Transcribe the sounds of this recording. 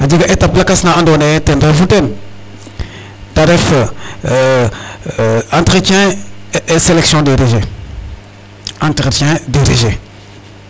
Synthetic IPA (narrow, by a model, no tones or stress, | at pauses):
ad͡ʒiɡaʔetaplakasnaãndonetẽndʒuten | taɾif | ãntɾət͡ʃɛ̃ | seleksijɔ̃deɾeʒe | ãntɾətɛ̃dedeʒe